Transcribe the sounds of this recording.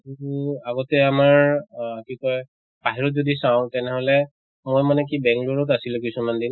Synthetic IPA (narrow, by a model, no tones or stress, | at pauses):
aɡɔtɛamaɹkikɔj | b̥aɦiɹɔt̚zodisãʊ̃tɛnɛɦɔlɛ | mojmanɛk̬ibɛ̃ŋkloɹɔt̬asilɛ̃kisumandin